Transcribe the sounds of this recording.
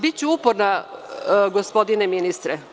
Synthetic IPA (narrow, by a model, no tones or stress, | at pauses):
bit̪̚t͡ɕuupoɾna | ɡospo̞d̪ineminist̪ɾɛ